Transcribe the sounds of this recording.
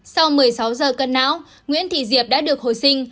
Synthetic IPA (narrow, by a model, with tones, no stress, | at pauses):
sa˧wmɨ˨˩əjsa˨˦wzəː˨˩kə˧nːa̰ː˧˥w | ŋwḭ˧˥ənt̪ʰḭ˧˨zi˨˩əp̚ɗa̰ː˧˥ɗɨ˨˩ək̚ho˨˩jsï˧ŋ̟